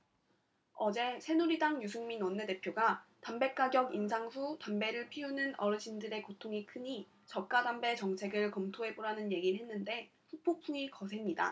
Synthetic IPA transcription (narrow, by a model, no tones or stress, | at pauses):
ʌd͡ʑe̞sʰe̞nuɾidaŋjusʰuŋminwʌnːe̞de̞pʰjoɡatambe̞k͈aɡjʌɡins̬ʰaŋɸutambe̞ɾɯɭpʰiunɯnʌɾɯɕʰindɯɾe̞kotʰoŋikʰɯɲi | t͡ɕʌk̚k͈adambe̞t͡ɕʌŋt͡ɕʰe̞ɡɯɭkʌmtʰoɦe̞boɾanɯnje̞ɡiɭɦe̞nːɯnde̞ | ɸupʰopʰuŋikʌs̬ʰe̞mɲida̰